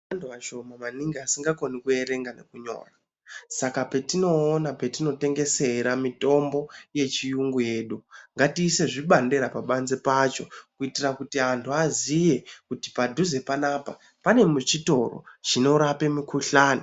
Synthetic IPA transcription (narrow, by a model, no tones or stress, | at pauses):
antʰuaʃo̞mamaniŋɡiasiŋɡako̞nikue̞ɾe̞ŋɡane̞̰kuɲo̞̰ːra | sakape̞tino̞ːnape̞tino̞te̞ŋɡe̞se̞ɾamito̞mbo̞je̞t͡ʃijuŋɡuje̞ːɗuŋɡatiːse̞ʐiɓandeɾapaɓanzepat͡ʃo̞kuitirakutiantʰuazije̞kutipadʱuze̞panaːpa | pane̞mut͡ʃito̞̰ro̰t͡ʃino̞ɾape̞mikuɬaːni